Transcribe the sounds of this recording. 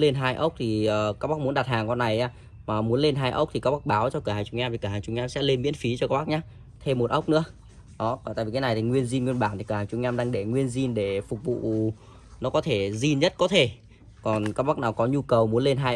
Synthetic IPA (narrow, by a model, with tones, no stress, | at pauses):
le˧nɦaː˧jʔə˦˥wk͡p̚t̪ʰi˨˩əː˨˩kaː˦˥k̚ɓa˦˥mu˨˦ənɗa˨˩t̚haː˨˩ŋkɔ˧nːa˨˩jʔaː˨˧ | maː˨˩mu˨˦ənle˧nɦaː˧jʔə˦˥wk͡p̚t̪i˨˩aː˦˥k̚ɓa˦˥k̚ɓaː˨˦wt͡ɕɔ˧kəː˧˩haː˨˩ŋt͡ɕʊ˧ŋ͡mŋɲaː˧mt̪i˨˩kːəː˧˩haː˨˩ŋt͡ɕʊ˨˧ŋ͡mɲaː˧msɛ̰˧˥le˧nmḭ˧˥ənfi˨˦t͡ɕɔ˧kːaː˦˥ɓa˦˥k̚ɲaː˨˦˥ | t̪ʰe˧mːo˨˩t̚ʔə˦˥wk͡p̚nɨ̰˧˥ə | ɗɔ˨˦˩a̰˧˨vi˨˩kːa˨˦na˨˩jt̪ʰi˨˩ŋwi˧ənzi˧nŋwi˧ənɓaː˧˩nt̪ʰi˨˩kəː˧˩hːt͡ɕʊ˧ŋ͡mɲaː˧mɗaː˧ŋɗe˧˩ŋwi˧ənzi˧nɗe˧˩fʊ˨˩k͡p̚vṵ˧˨ | nɔ˨˦kɔ˨˦t̪ʰe˧˩zi˧nɲə˦˥t̚kɔ˨˦t̪ʰe˧˩ | kɔ˨˩nkaː˦˥k̚ɓa˦˥k̚naː˨˩wkɔ˨˦ɲu˧kə˨˩wmu˨˦ənle˧nɦaː˧j